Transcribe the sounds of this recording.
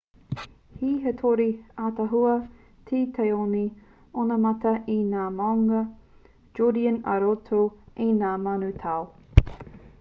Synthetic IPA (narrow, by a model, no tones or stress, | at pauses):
hiɦetʰoɾiatɐɦuɐ | tʰiːtʰejoni | onɐmɐtɐʔinaːmawŋɐ | d͡ʒodiənɐ̰ɾotʰoʔinaːmɐnʉtʰaw